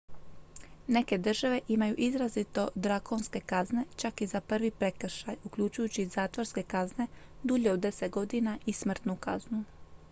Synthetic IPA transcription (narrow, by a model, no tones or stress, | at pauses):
ne̞ke̞d̪r̩ʒaʋe̞ʔimajuʔizɾazit̪o̞d̪ɾakʰo̞nske̞kazne̞t͡ʃakizapr̩ʋipɾe̞kr̩ʃajukʎut͡ʃujut͡ɕizaːt̪ʋo̞ɾske̞kazne̞ | d̪uʎeod̪ːe̞se̞t̪̚ɡo̞d̪inaʔismr̩t̪nukaznu